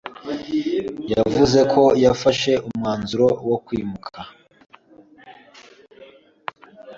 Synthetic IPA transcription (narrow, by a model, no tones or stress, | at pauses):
javuze̞kʰo̞jafaʃe̞ʔumŋaːnzuɾo̞wokwiːmukʰa